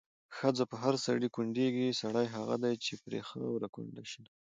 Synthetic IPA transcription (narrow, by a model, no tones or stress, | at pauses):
xəd͡zapəɦaɾsa̰ɽikuɳɖeɡisaɽajɦaɣa̰d̪ajt͡ʃepɾḛxəwɾakṵɳɖaʃi